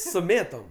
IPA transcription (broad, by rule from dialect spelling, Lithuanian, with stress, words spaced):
sʊ ˈmʲeːtoːm